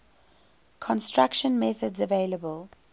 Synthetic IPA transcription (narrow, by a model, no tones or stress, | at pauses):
kʰɔ̃nstɹakʃə̃nmɛθədzəveləbəlˠ